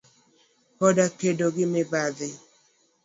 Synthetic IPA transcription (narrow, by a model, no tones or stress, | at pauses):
kɔdakedoɡɪmɪbaðɪ